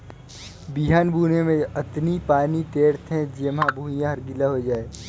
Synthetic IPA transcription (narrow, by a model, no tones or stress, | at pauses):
biɦaːnbʱuːnemẽɐt̪nipaːnit̪eːɾt̪ʰɛ̃d͡ʒeːmɦãbʱuːjãɦɐɾɡɪlaɦod͡ʒaːeː